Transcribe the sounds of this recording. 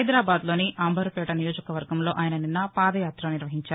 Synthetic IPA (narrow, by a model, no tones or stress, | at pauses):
jd̪ɾaːbaːd̪lo̞ːniʔaːmbʱɐɾupɛːʈɐnijoːd͡ʒɐkɐʋɐɾɡɐmlo̞ːʔaːjɐnɐninːɐpaːd̪ɐjaːt̪ɾɐniɾʋɐɦiɲt͡ʃaːɾu